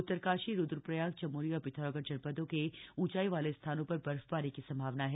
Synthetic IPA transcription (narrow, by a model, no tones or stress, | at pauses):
ʊt̪ːəɾkaːʃiɾʊd̪ɾpɾɐjaːɡ̚t͡ʃɐmuːɾiɔːɾpɪt̪ʰaːɾɔɡəɾd͡ʒɐɽpəd̪õkeũːt͡ʃaːiʋaːlest̪ʰaːnõpɐɾbɐɾfpaːɾekisɐ̃mbʱaːʋnaɦɛ